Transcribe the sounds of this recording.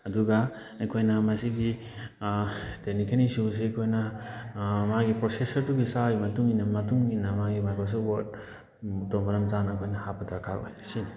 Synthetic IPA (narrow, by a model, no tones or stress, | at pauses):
ɐduɡa | ɐjkʰojnɐmɐsiɡi | tenikʰenisus̬ekʰojnɐ | maɡipɾosesɐɾtuɡisajmɐtuŋinɐmɐtuŋinamaɡibajkɔs̬ɐwɔd | toŋbɐɾɐmzanɐjkʰojnɐhapɐdɐɾkʰaɾo̰jsin